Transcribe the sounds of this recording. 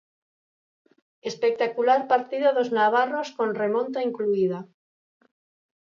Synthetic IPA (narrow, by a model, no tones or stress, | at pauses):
espek̚t̪akulaɾpaɾt̪iðaðoznaβ̞aroskonremõnt̪aiŋkluiða